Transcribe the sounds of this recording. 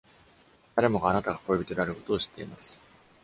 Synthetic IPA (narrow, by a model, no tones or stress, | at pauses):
d̪̥aɾe̞mo̞ɡaːnat̪aɡako̞jobʲit̪oɾɯaɾɯ̟ko̞̥t̪o̞ːɕi̥t̪ːe̞imasɨ̥